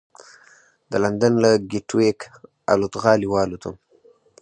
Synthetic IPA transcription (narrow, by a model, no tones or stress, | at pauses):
d̪əland̪anlaɡiʈwek | a̰lut̪ɣɑliwɑːlot̪ʰa